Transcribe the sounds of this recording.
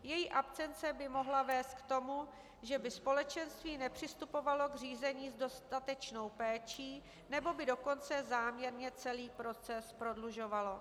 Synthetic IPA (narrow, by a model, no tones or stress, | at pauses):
jɛjiʔapt͡sɛnt͡sɛbɪmo̞ɦlavɛːst̪̚kt̪o̞mu | ʒɛbɪspo̞lɛt͡ʃɛnst̪viːnɛpr̝̥ɪst̪upo̞valo̞ɡr̝iːzɛɲiːzdo̞st̪at̪ɛt͡ʃno̞wpɛːt͡ʃiː | nɛbo̞bɪdo̞ko̞nt͡sɛzaːmɲɛɾɲɛt͡sɛliːpɾo̞t͡sɛspɾo̞dluʒo̞valo̞